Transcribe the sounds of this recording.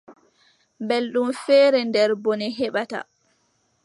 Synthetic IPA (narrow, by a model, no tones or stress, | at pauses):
mbɛlɗumfɛːɾɛndɛɾbɔnɛɦɛɓata̰